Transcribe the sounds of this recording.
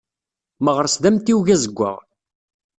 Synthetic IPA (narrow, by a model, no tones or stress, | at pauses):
məʁəɾsd̪æmt̪iwʝæzəɡʷːə̰ʁ